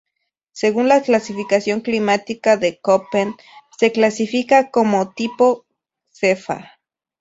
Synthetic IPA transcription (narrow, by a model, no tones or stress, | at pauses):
seɣunlaklasifikasjoŋklimat̪ikaðekopen | seklasifikakomot̪ipo | sefa̰